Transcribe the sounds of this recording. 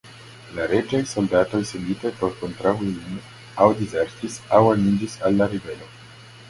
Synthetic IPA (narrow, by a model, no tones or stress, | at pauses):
laɾed͡ʒajso̞ldato̞jsendit̪epoɾko̞nt̪ɾauin | awdizeɾtisawanid͡ʒisalːaɾive̞lo̞